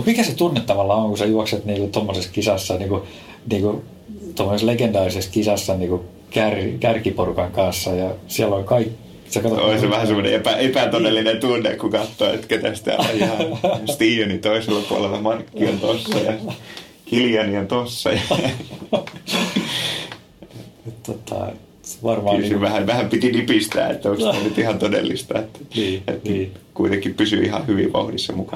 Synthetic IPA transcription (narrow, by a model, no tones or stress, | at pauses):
omikæset̪unːet̪ːɑʋɑlːɑoŋkusɑjuɑkset̪niːŋkut̪omːoseskisɑsːɑniːku | niːku | t̪omːoseslekend̪ɑːriseskisɑsːɑniːku | kærkærkiporukɑŋkɑnsːɑjɑsiælːolkɑikː | sekɑt̪ooiseʋæhæsemːonḛepæepæt̪ot̪elːinent̪unːekkukɑt̪ːoːḛt̪ket̪æst̪æ̰ːo̰jɑst̪iːjonit̪oiselːɑpuɑlelːɑmɑnkːiɑnt̪osːɑjɑ | hiljɑniɑnt̪osːɑ̰jɑ | et̪t̪ot̪ʰːɑ̰ | ʋɑrmkːysiʋæhæʋæhæmpit̪inipist̪æ̰ːḛt̪ːæoikst̪onyt̪ihɑnt̪odḛlːist̪ɑet̪ːæ̥ḛt̪nkuit̪eŋkːippysy̰ihɑ̰hyʋḭʋʋɑ̰uhdisːɑmukɑ